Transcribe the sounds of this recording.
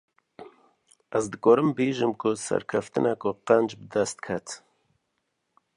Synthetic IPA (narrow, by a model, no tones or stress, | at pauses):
ʔɛzd̪ɨɡɔːɾɨmbeːʒɨmkʰʊsɛ̰ɾkʰɛft̪ɨnɛkʊqɛnd͡ʒbɨd̪ɛst̪̚kʰɛt̪